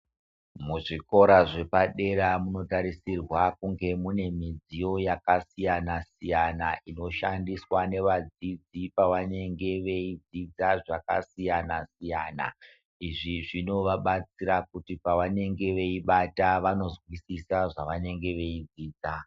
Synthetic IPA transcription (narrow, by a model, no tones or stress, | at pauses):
muʐiko̞ɾaʐe̞paɗe̞ɾamuno̞taɾisirwakuŋɡe̞mune̞mid͡zijo̞jakasijanasijanaino̞ʃandiswane̞ʋad͡zid͡zipaʋane̞ŋɡe̞ʋeid͡zid͡zaʐaka̰sijanasijaːna̰ | iʐiʐino̞ʋaɓat͡siɾakutipaʋane̞ŋɡe̞ʋe̞iɓataʋano̞zwisisaʐaʋane̞ŋɡe̞ʋe̞id͡ziːd͡za